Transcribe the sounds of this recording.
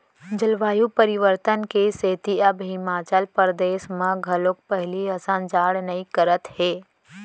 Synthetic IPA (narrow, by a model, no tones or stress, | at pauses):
d͡ʒəlʋaːjupəɾɪʋəɾt̪ənkeseːt̪iəbɦɪmaːt͡ʃəlpəɾd̪eːʃmãɡʱɐlõk̚pɛɦliɐsãːnd͡ʒaːɽnɐikəɾət̪heː